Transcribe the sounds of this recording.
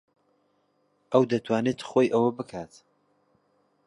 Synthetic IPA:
ʔɐwd̪ɐt̪ʰwaːnet̪χoːjʔɐwɐbɨkʰat̪

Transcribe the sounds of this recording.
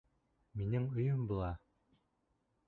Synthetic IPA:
minɘŋŏjɤmbulˠɑ

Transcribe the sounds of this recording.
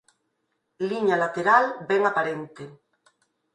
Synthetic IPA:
liɲalat̪eɾalbeŋapaɾent̪e

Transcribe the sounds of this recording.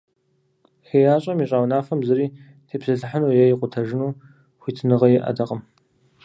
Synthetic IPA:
ħeːjaːɕʼɐmiɕʼaːwnaːfɐmzɨriː | tʰeːpsɐɬɨħanuːjɛjɪqʷʼʊtʰɐʒɪnuː | xʷiːtʰnɨʁɐjɛʔɐ̰dɐqʼəm

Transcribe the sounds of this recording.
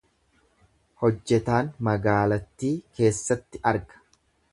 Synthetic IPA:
hɔd͡ʒːɛt̪aːnmɐɡaːlɐt̪ːiːke̞ːsːɐt̪ːɪʔɐɾɡɐ̥

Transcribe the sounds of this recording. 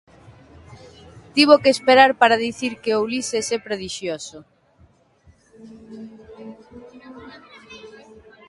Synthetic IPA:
t̪iβ̞okeːspeɾaɾpaɾaðiθiɾkeoulisesɛpɾeðiʃjoso

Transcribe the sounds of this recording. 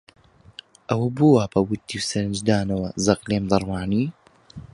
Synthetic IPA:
ʔɐwɐbuwaːpɐwut̪ːiːwsɐɾɨnd͡ʒd̪aːnɐwɐzɐqleːmd̪ɑɾˤwaːniː

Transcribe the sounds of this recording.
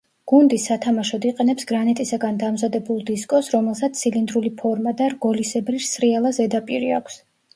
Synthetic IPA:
ɡ̥und̪isːat̪ʰamaʃɔd̪iqʼɛnɛpsɡɾanɛt̪ʼisaɡand̪amzad̪ɛbulˠd̪iskʼɔsɾɔmɛlˠsat̪ssʰilind̪ɾulipʰɔɾmad̪aɾɡɔlisɛbɾiɾsɾialˠazɛd̪apʼiɾia̰kʷʰs

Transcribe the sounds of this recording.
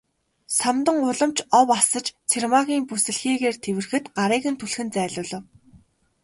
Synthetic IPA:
samt̪ə̆ŋʊɮə̆mt͡ɕɔwasə̆t͡ɕt͡sʰermaɣʲiːŋpusɘ̆ɮxiːɣeːrt̪ʰewɘ̆rxɘ̆t̪ɢaɾiːɣɘ̆nt̪ʰuɮxɘ̆nt͡sæːɮʊːɮə̆w

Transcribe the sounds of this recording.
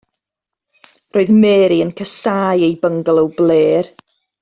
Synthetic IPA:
roːɨðmeːɾiənkʰəsaːjejbəŋɡlˠəwbleːr

